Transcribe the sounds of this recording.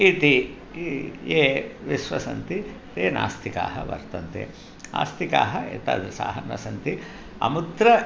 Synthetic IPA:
it̪i | jeːʋisʋɐsɐnt̪it̪eːna̰ːst̪ʰikaːɦɐʋɐ̰ɾt̪ɐnt̪ḛ | a̰ːst̪ika̰ːɦɐḛt̪ɐ̰d̪sa̰ːɦɐnːɐsɐnt̪i | ɐ̰mud̪ɾɐ

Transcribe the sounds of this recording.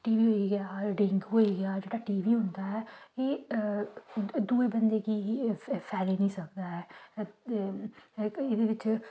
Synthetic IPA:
ʈiːʋiːɦoːiɡɪjaːɖɪŋɡɦoːiɡəjaːd͡ʒeːɽaːʈiːʋiːɦʊ̃nd̪aːɦɛːeː | d̪uːebənd̪eːkiːpʰɛːliːnĩːsək̚d̪aːɦɛː | ɪd̪eːʋɪt͡ʃ

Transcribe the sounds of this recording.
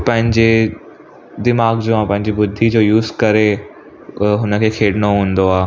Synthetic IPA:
pɐ̃ɦɪ̃ɲd͡ʑe | d̪ɪmaːɡd͡ʑoːãpɐ̃ɦɪ̃ɲd͡ʑibʊd̪ʱːid͡ʑoːjuːzkɐɾe | ɦʊnə̆kʰeːkʰeːɽɪñoɦũːnd̪oaː

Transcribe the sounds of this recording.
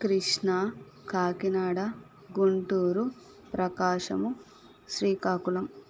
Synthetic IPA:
kɾiʂɳa | kaːkinaːɽɐ | ɡuɳʈuːɾu | pɾɐkaːʂɐmu | ʃɾiːkaːkulɐm

